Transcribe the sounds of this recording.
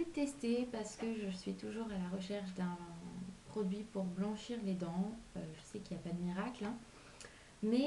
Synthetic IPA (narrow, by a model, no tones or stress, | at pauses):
øt̪ɛst̪epaʁsə̥kəʒəsɥit̪uʒuʁalaʁəʃɛʁʃd̪ɛ̃pχɔd̪ɥipuʁblɑ̃ʃiʁled̪ɑ̃aʒəsɛkiljapad̪əmiʁaklɛ̃ | mɛ